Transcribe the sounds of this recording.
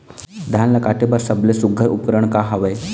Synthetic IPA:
d̪ʱanlakaʈebəɾsəblesuɡʱəɾup̚kɾəɳkaɦaʋəj

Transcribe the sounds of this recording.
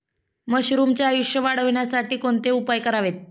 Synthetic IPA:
məɕɾumt͡ɕjaːjuʂjəʋaɽ̤əʋɳjasaʈiːkoɳt̪eupajkəɾaʋet̪̚

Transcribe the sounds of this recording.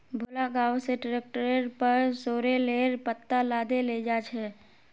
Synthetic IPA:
bʱolaɡaːwseʈɾeːk̚ʈɾeɾpəɾsoːɾeleːɾpət̪ːalaːd̪eled͡ʒaːt͡ʃʰɛː

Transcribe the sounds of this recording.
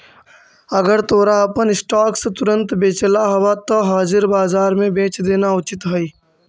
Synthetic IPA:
ɐɡəɾt̪oːɾaɐpənɪsʈaːkset̪ʊɾə̃nt̪beːt͡ʃəlaɦɐwat̪oɦaːzɪɾbaːzaːɾmẽbẽːt͡ʃd̪eːnaʊt͡ʃɪt̪ɦoiː

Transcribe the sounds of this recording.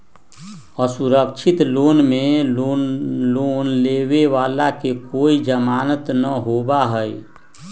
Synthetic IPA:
əsuɾəkt͡ʃʰɪt̪loːnmẽoloːnleːweʋaːlakekoːid͡ʒəmaːnət̪nəɦoːbaɦəi

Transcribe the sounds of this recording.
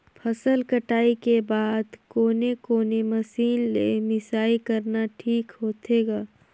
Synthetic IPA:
pʰɐsəlkəʈaːikebaːd̪koːnekoːnemɐsiːnːḛmɪsaːikɐɾnaʈʰiːkɦoːt̪eːɡaː

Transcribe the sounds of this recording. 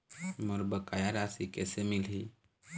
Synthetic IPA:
moɾbəkaːjaɾaːsikɛːsemɪlɦi

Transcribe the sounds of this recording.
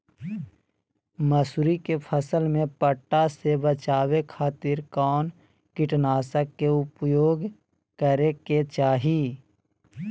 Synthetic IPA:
məsuɾikepʰəsəlmẽpəʈːasebət͡ʃaːwekʰaːt̪ɪɾkɔːn | kɪʈnaːsəkːeʊpjoːɡ | kəɾeket͡ʃaːɦiː

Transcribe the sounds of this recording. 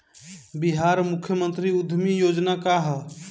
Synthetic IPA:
biɦaɾmukʰjəmənt̪ɾiud̪ʱmijod͡ʒnakaɦə

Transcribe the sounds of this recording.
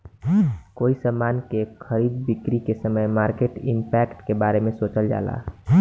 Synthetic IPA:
koːisəmaːnkekʰəɾiːd̪̚bɪkɾikesəməjmaːɾkeʈɪmpɛkʈkebaːɾemẽsoːt͡ʃəld͡ʒa̰ːla̰

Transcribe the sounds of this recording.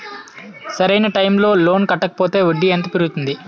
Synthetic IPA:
sɐɾɐjnɐʈɐjmlo̞ːlo̞ːnkɐʈːɐkɐ̥poːt̪e̞ːuɖːiɐnt̪ɐpiɾuɡut̪und̪i

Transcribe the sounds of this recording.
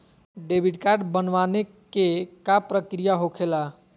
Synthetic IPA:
ɖebʱiʈkaɾɖbənʋane | kekapɾəkɾijaɦokʰela

